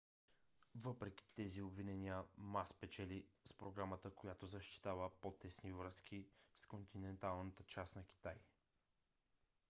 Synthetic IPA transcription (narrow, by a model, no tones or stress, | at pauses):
vɤpɾɛk̟ʲi̥t̪ɛziobvinɛniəmaspɛt͡ʃɛlispɾoɡɾamət̪əkojat̪ozɐʃt̪i̥t̪avəpot̪ɛsnivɾɤsk̟iskont̪inɛnt̪alˠnət̪ət͡ʃasnɐk̟ʲi̥t̪aj